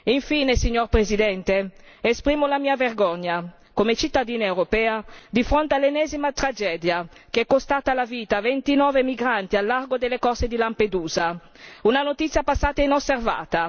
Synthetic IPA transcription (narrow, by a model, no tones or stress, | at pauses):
iɱfiːnesiɲːorpɾezid̪ɛnt̪e | espɾiːmolamiːaverɡɔɲːa | komet͡ʃit̪ːad̪iːnaewɾopɛːad̪ifɾont̪ealːenɛːzimat̪ɾad͡ʒɛːd̪jakeɛkːost̪aːt̪alaviːt̪avent̪inɔːvemiɡɾant̪ialːarɡod̪elːekɔsed̪ilamped̪uːza | unanot̪it̪sːjapasːaːt̪ainosːerva̰ːt̪a